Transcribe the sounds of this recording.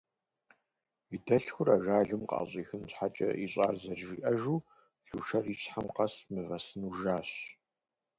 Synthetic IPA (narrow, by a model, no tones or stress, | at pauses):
idɐɬxʷʊɾaːʒaːɮɨmqɑ̰ːɕʼiːxɨnɕħat͡ʃʼɐ̰iɕʼaːrzɐrriʔɐʒuː | ɮ̥uːʃɐriːt͡ʃħamqɐsmɨvɐsɨnuʒaːɕ